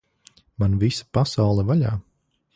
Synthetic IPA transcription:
manvisḁpasawlˠɛvaʎa̰ː

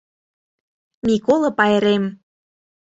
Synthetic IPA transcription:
mʲikolˠɤ̆pɑjɾem

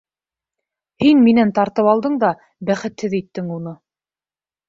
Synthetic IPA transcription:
hinminænt̪ɑɾt̪ɤpɑlˠd̪ɤɴd̪ɑ | bæχɘ̆t̪hɘðit̪ːɘŋunɤ

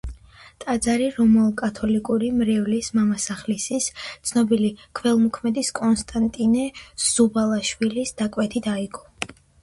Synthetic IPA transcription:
t̪ʼad̪zaɾiɾɔmɔlˠkʼat̪ʰɔlikʼuɾimɾɛvlismamasaχlisist̪sʰnɔbilikʰvɛlˠmukʰmɛd̪iskʼɔnst̪ʼant̪ʼinɛz̥ubalˠaʃwilisd̪̥akʼwɛt̪ʰit̪ʰaiɡɔ

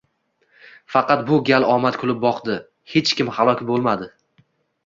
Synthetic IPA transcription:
fɑqɑt̪̚bʊɡʲalɒmat̪kʲʰʊlɪp̚bɒqd̪ɪ | he̞t͡ʃkʲɪmhalˠɒkʲbolˠmad̪ɪ

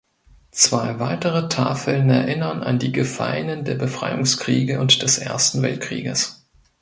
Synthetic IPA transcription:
t͡sv̥aɪvaɪtəʁətʰa̰ːfl̩nɛɐʔɪnɐna̰ndiːɡəfa̰lənəndeːɐbəfʁ̥a̰ɪʊŋskʁ̥iːɡəʔʊntd̥ɛsʔḛːɐstn̩vɛ̰lt̚kʁ̥ḭːɡəs

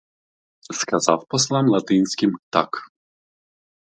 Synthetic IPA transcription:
skazawpɔslˠamlˠat̪ɪnʲsʲkʲimt̪a̰k

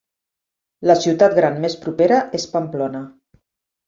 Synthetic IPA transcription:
ləsiwt̪at̪ɡɾanmespɾupeɾəʔespamplɔnə

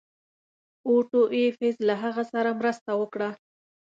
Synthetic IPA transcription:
oʈoʔefezlaɦaɣasaɾamɾəst̪awəkɽa

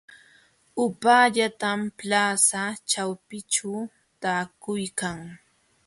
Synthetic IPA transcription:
ʊpaːʎat̪amplaːsat͡ʃawpɪt͡ʃaw | t̪aːkʊjkaŋ

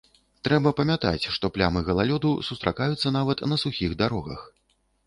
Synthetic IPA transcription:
t̪ɾɛbɐpɐmʲat̪a̰t͡sʲʂt̪ɔplʲamɨɣɐlˠalʲɔd̪usust̪ɾakajut̪sːɐnavɐt̪nɐsuxʲiɣd̪aɾɔɣɐ̰x

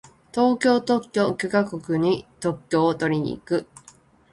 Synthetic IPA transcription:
t̪o̞ːkʲo̞ːt̪o̞kʲːo̞kʲekakokɯ̟ɲ̟it̪o̞kʲːo̞ːt̪o̞ɾʲiɲ̟ḭːkɯ̟

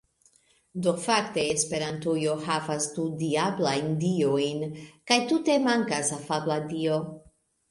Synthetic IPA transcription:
dofakte̞ːspe̞ɾantujo̞havastudiablajndiojnkajtute̞maŋkasafabladio

